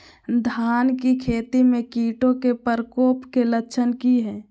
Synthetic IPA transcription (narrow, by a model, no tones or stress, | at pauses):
d̪ʱaːnkikʰeːt̪imẽkiːʈõkepəɾkoːpkelətːʃʰənkiɦɛ̃ː